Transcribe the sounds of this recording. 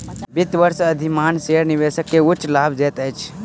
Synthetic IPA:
bɪt̪ʋəɾsəd̪ʱimaːnseɾniʋesəkːeʊt͡ʃːlaːbd͡ʒet̪əjt͡ʃʰ

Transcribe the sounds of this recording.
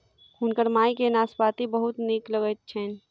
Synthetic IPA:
kʰunkəɾmaːikenaːspaːt̪ibəɦʊt̪niːkləɡət̪̚t͡ʃʰɛn

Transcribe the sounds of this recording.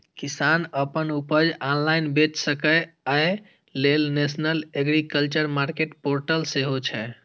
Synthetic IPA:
kisanəpənupəd͡ʒanlajnbet͡ʃsəkəjaj | lelnesnəleɡɾikəlt͡ʃəɾmaɾkeʈpoɾʈəlseɦot͡ʃʰɛ

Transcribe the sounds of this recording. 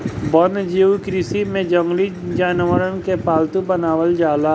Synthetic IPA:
bɔnd͡ʒiːwkɾisimẽd͡ʒə̃ŋɡlid͡ʒaːnʋəɾənkepaːlt̪ũbənaːʋəld͡ʒaːla

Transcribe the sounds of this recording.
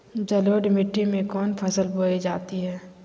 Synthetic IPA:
d͡ʒəloːɖmɪʈːimẽkɔːnpʰəsəlboːid͡ʒaːt̪iɦɛː

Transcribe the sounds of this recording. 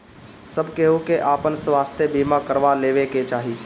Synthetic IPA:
səbkeɦukeʔaːpənswaːst̪ʰjebiːmakəɾʋaleːʋeket͡ʃaːɦiː

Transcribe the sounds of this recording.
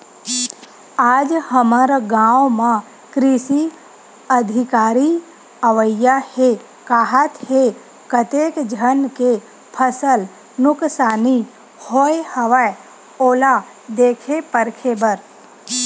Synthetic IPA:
aːd͡ʒhəməɾaɡãːwmã | kɾiʃi | əd̪ʱɪkaːɾi | əʋəjahe | kaːɦat̪he | kət̪eːkd͡ʒʱənke | pʰəsəl | nʊksaːni | hoehəʋae | oːla | d̪eːkʰepəɾkʰebəɾ

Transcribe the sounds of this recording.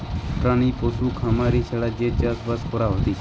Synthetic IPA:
ʈɾãːniːpoːsuːkʰamaːɾiːt͡ʃʰeɽaːd͡ʒeːt͡ʃaːsbaːskʰoːɾaːɦoːt̪iː

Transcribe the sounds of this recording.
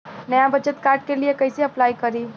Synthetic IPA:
nəjabət͡ʃət̪kaɾɖ̚keliekəjseəplaikəɾi

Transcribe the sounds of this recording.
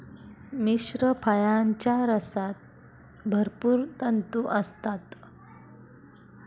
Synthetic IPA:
miɕɾəpʰəjaɲt͡ɕjaɾəsat̪̚ | bʱəɾpuːɾt̪ənt̪uʔəst̪at̪

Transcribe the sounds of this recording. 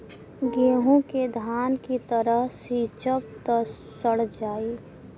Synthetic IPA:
ɡeːɦũked̪ʱaːnkit̪əɾəɦsiːt͡ʃəp̚t̪əsəɽd͡ʒaːi

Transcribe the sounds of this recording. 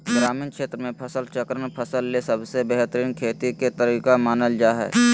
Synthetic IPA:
ɡɾaːmiːnkʃeːt̪ɾəmẽpʰəsəlt͡ʃəkɾənpʰəsəlːesəbsebɛɦt̪əɾiːnkʰeːt̪iket̪əɾiːkamaːnəld͡ʒaːɦɛ̰ː

